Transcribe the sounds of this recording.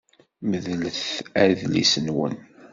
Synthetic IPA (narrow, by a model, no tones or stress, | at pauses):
məðləθæðlḭsənwə̰n